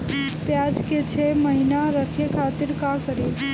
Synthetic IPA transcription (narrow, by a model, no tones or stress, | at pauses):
pjad͡ʒket͡ʃʰeməɦinaɾəkʰjekʰat̪iɾkakəɾe